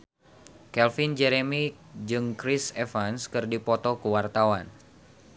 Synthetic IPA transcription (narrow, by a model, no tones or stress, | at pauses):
kɛlfind͡ʒɛɾemi | d͡ʒɨŋkɾisefanskɨrdipɔt̪ɔkəwart̪awan